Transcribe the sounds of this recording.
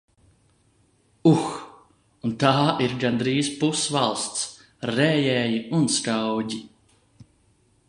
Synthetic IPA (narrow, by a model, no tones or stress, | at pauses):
ux | unt̪aːiɾɡand̪ɾiːzpusvalˠst̪s | ɾɛːjɛːjiunskawɟi